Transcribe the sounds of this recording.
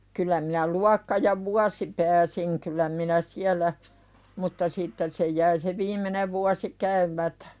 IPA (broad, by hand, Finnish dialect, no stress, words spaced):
kylˑæ minæ luɑkːɑ jɑ ʋuɑsi pæːsiŋ kylˑæ minæ siælˑæ mutːɑ sitːen se jæi se ʋiːmˑeneʋ ʋuɑsi kæymˑætæ̥